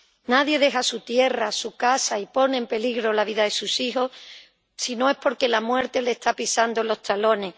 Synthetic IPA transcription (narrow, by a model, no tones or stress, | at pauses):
naðje̞ðe̞ɦasut̪je̞rasukasaipo̞neːmpe̞liɣɾo̞laβ̞iðaðe̞susixo̞s | sino̞e̞spo̞ɾke̞lamwe̞ɾt̪e̞le̞ːst̪apisand̪olo̞ht̪alo̞ne̞